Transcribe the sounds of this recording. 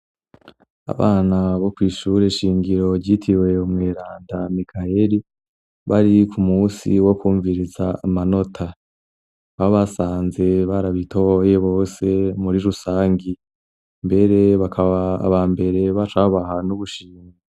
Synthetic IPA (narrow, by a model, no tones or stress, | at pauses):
a̰βaːnaβo̞kwiːʃuɾeʃiːŋɡiɾo̞ɾɟitʰiwe̞umŋeːɾaːndamikʰaeɾi | βaɾikʰumuːsiwo̞kuːɱviɾizaːmano̞tʰa | βaoβasaːnze̞βaɾaβitʰoje̞βo̞ːse̞muɾiɾusaːŋɡi | mbe̞ɾe̞βakʰaβaa̰βaːmbe̞ɾe̞βat͡ʃaβaβaɦanuβuʃiːŋɡa